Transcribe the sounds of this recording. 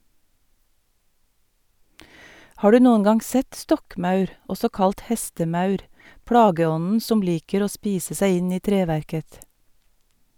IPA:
ˈhɑː ˈɖʉː ˈnuːən ˈɡɑŋ ˈsɛt ˈstɔkˌmɑʉɾ ˈɔsɔ ˈkɑlʈ ˈhɛstəˌmɑʉɾ ˈpɽɑːɡəˌɔnn̩ ˈsɔm ˈliːkəɾ ˈoː ˈspiːsə ˈsæɪ ˈɪn ˈiː ˈtɾeːʋæɾkəθ

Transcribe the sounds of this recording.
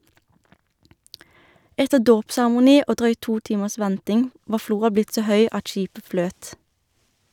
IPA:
ˈɛtəʁ ˈdoːpsæʁəmʊˌniː ˈʔoː ˈdʁœʏt ˈtuː ˈtiːməs ˈʋɛntɪŋ ˈʋɑː ˈfluːʁɑ ˈblɪt ˈsoː ˈhœʏ ˈʔɑt ˈʃiːpə ˈfløːt

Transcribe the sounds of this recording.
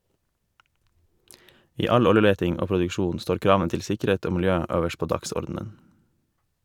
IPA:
ˈiː ˈɑʎ ˈɔləˌleːtɪŋ ˈoː pɾʊdʉkˈʃuːn ˈstoːɾ ˈkɾɑːʋən ˈtɪl ˈsɪkəˌɾeːt ˈoː mɪlˈjøː ˈøːʋəʃ ˈpoː ˈdɑksɔɾdn̩ən

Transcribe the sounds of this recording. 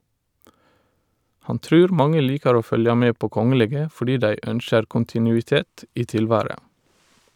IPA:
ˈhɑn ˈtɾʉːɾ ˈmɑŋə ˈliːkɑɹ ˈoː ˈfœljɑ ˈmeː ˈpoː ˈkɔŋəleːɡə fɔˈɖiː ˈdæɪ ˈœnʃəɾ ˌkʊntɪˌnʉːɪˈteːt ˈiː ˈtɪlˌʋæːɹə

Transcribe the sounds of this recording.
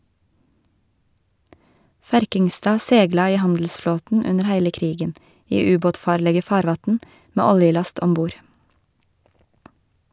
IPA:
ˈfæɾkɪŋˌstɑː ˈsɛɡlɑ ˈiː ˈhɑndl̩sˌfloːtn̩ ˈʉnəɾ ˈhæɪlə ˈkɾiːɡən ˈiː ˈʉːˌboːtˌfɑːɾlɛɡɛ ˈfɑːɾˌʋɑtn̩ ˈmeː ˈɔljɪˌlɑst ɔmˈbuːɾ

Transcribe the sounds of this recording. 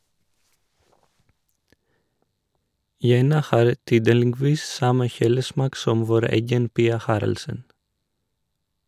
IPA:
ˈjɛnɑ ˈhɑːɾ ˈtyːdəlɪˌɡʋiːs ˈsɑmə ˈçuːləˌsmɑːk ˈsɔm ˈʋoːɾ ˈɛɡən ˈpiːɑ ˈhɑːɾɑlsən

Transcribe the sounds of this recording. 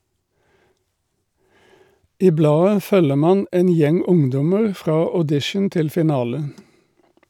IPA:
ˈiː ˈblɑːə ˈfœlə ˈmɑːn ˈeːn ˈjɛŋ ˈʊŋˌdɔməʁ ˈfʁɑː ɔˈdɪʃən ˈtɪl fɪˈnɑːlə

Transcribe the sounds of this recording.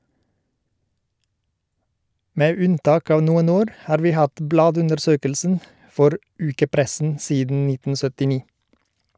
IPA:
ˈmeː ˈʉnˌtɑːk ˈɑːʋ ˈnuːən ˈoːɾ ˈhɑːɾ ˈʋiː ˈhɑt ˈblɑːdʉndəɾˌsøːkəlsn̩ ˈfɔɾ ˈʉːkəˌpɾɛsn̩ ˈsiːdn̩ ˈnɪtn̩ sœtɪˈniː

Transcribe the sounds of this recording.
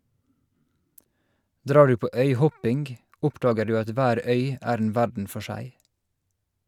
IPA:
ˈdɾɑː ˈɖʉː ˈpoː ˈœʏˌhɔpɪŋɡ ˈʔʊpdɑːɡə ˈdʉː ˈɑt ˈʋæːɾ ˈœʏ ˈæːɾ ˈeːn ˈʋæɖɳ̩ ˈfɔ ˈʃæɪ

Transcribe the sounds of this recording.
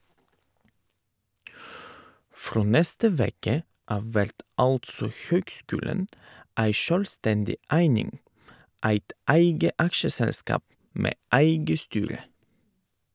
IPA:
ˈfɾoː ˈnɛstə ˈʋeːkə ˈɑʋ ˈʋæɾt ˈɑltsɔ ˈçøːɡˌskʉːlən ˈæɪ ˈʃœlˌstɛndɪ ˈæɪnɪŋ ˈæɪt ˈæɪɡə ˈɑkʃəˌsɛlˌskɑːp ˈmeː ˈæɪɡə ˈstyːɾə

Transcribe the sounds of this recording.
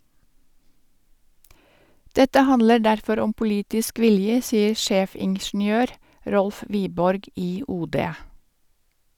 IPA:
ˈdɛtə ˈhɑnlə ˈɖæɾfɔɾ ˈɔm pʊˈliːtɪsk ˈʋɪljə ˈsiːəɾ ˈʃeːfɪŋʃɳ̩ˌjøːɾ ˈɾɔlf ˈʋiːbɔɾɡ ˈiː ˈuːˌdeː

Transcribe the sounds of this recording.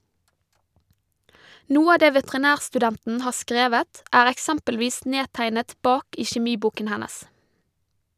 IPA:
ˈnuːə ˈɑː ˈdeː ʋɛtɛʁɪˈnæːʁsʈʉˌdɛntn̩ ˈhɑː ˈskɾeːʋət ˈæːɾ ɛkˈsɛmpəlˌʋiːs ˈneːtæɪnət ˈbɑːk ˈiː çɛˈmiːˌbuːkən ˈhænəs

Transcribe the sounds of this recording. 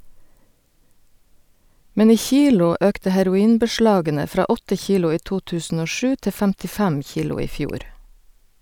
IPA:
ˈmɛn ˈiː ˈçiːlʊ ˈœktə hæɾʊˈiːnbəˌʃlɑːɡənə ˈfɾɑː ˈɔtə ˈçiːlʊ ˈiː ˈtuː ˈtʉːsn̩ ˈoː ˈʃʉː ˈtɛ fæmtɪˈfæm ˈçiːlʊ ˈiː ˈfjuːɾ

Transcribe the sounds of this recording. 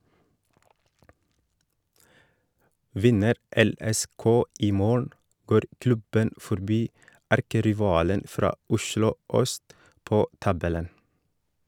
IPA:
ˈʋɪnəɾ ˌɛˌlɛˈskoː ˈiː ˈmoːɳ̩ ˈɡoːɾ ˈklʉbən fɔɾˈbiː ˈæɾkəɾɪˌʋɑːlən ˈfɾɑː ˈʊʃlʊ ˈœst ˈpoː ˈtɑbɛlən

